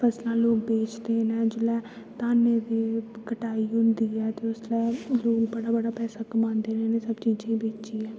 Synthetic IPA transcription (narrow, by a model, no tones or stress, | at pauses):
pʰɛslãːloːkbeːt͡ʃd̪eːnɛːd͡ʒɪlɛː | t̪aːneːd̪eːkəʈaːiːʊnd̪iːɛːt̪eʊslɛːloːkbəɽaːbəɽaːpɛːsaːkəmãːnd̪eːɾeːnẽːsəbt͡ʃiːd͡ʒẽːbeːt͡ʃiːɛː